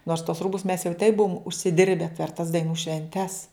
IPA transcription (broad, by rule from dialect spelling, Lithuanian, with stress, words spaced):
noːrs tuɔs ˈruːbʊs mʲɛs jɛʊ tɐɪp ˈbʊʋoːm ʊʃʲsʲɪˈdʲɪrʲbʲɛ pʲɛr tɐs dɐɪˈnuː ʃʲʋʲɛnʲˈtʲɛs